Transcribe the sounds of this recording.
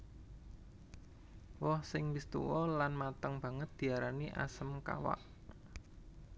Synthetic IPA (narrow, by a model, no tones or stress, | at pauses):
wɔhsɪŋlist̪ṵwɔlanmat̪əŋb̥ä̤ŋət̪̚d̪̥i̤aɾaniʔa̰səmka̰wa̰ʔ